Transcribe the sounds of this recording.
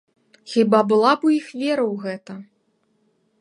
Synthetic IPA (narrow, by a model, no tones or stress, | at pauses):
xʲibabɨlˠapujixvʲɛɾɐwɣɛt̪ɐ